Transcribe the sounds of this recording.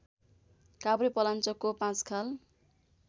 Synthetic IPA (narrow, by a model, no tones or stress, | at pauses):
kabɾipʌlant͡sʌkopãt͡skʰal